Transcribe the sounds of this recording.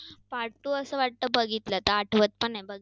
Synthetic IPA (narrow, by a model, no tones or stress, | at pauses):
paɽʈ̪uəsəʋaʈ̚t̪əbəɡit̪lət̪əaʈʰʋət̪̚pəɳajbəɡi